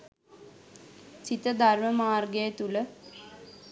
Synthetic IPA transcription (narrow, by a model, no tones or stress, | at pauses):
sit̪əd̪ʱarməmaːrɡejət̪ulə